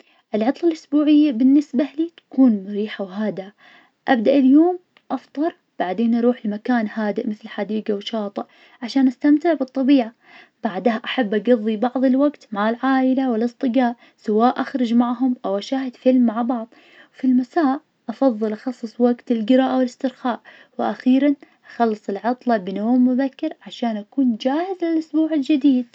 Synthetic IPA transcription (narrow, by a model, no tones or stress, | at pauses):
ʔɪlʕɑt̪ˤlalʔʊsbuːʕɪjːabɪnːɪsbaliːt̪ḁkuːnmʊɾiːħawɦaːd̪a | ʔabd̪aʔɪljoːm | ʔɑft̪ˤɑɾˤ | b̥aʕd̪eːnʔɑɾˤuːħlɪmakaːnhaːd̪ɪʔmɪθlħad̪iːɡawʃɑːt̪ˤɨʔ | ʕaʃaːnʔast̪amt̪ɪʕbɨt̪ˤːɑbiːʕa | b̥aʕd̪haʔaħabːʔaɡɑðˤːibɑʕðˤɨlwaɡt̪maʕɪlʕaːʔɪlawɪlɨst̪ˤɨɡaːʔ | sawaːʔaxɾˤʊd͡ʒmaʕɦʊmʔawʔaʃaːhɪd̪̥fɪlmːaʕbɑʕðˤ | wfilmasaːʔ | ʔɑfɑðˤːɨlʔɑxɑsˤːɨsˤwaɡt̪ɪlɡɪɾaːʔawɪlɪst̪ɪɾxaːʔ | wɪʔaxiːɾanʔaxɑlːɨsˤɪlʕɑt̪ˤlɑbɪnoːmːʊbakːɪɾʕaʃaːnʔakuːnd͡ʒaːhɪzlɪlʔʊsbuːʕɪld͡ʒɪd̪iːd̪̚